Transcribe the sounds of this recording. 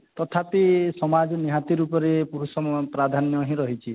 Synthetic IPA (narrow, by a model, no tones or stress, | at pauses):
t̪ɔt̪ʰapisɔmad͡ʒɔniɦãt̪iɾupɔɾepuɾusɔmpɾad̪ʱanjɔɦĩɾɔɦit͡ʃʰi